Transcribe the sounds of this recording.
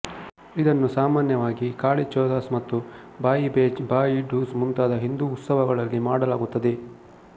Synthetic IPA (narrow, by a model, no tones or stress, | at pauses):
id̪ɐnːusaːmaːnjɐʋaːɡikaːɭit͡ʃɔːd̪aːsmɐt̪ːu | baːjibeːd͡ʒbaːjiɖuːsmunt̪aːd̪ɐɦind̪uːt̪sɐʋɐɡɐɭɐlːimaːɽɐlaːɡut̪ːɐd̪e̞